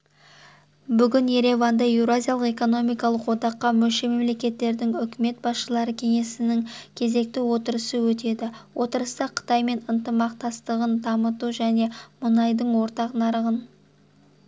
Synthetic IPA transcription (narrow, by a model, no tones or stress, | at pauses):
bʏɡʲɪnje̞ɾe̞vand̪ɑewɾazʲijalˠəqe̞ko̞no̞mijkɑlˠəqwo̞d̪ɑqːɑmɵlʃe̞me̞mle̞kʲe̞t̪ːe̞ɾd̪ɪŋʏkʲɪme̞t̪̚bɑsʃəlˠɑɾəkʲʰe̞ŋe̞sɪnɪŋkʲʰe̞ze̞k̚t̪ɪwo̞t̪əɾəsəwɵt̪e̞d̪ɪwʔo̞t̪əɾəst̪ɑqʰə̥t̪ɑjme̞nənt̪əmɑq̚t̪ɑst̪əʁənd̪ɑmət̪uʒæne̞mʊnɑjd̪əɴwo̞ɾt̪ɑqnɑɾəʁən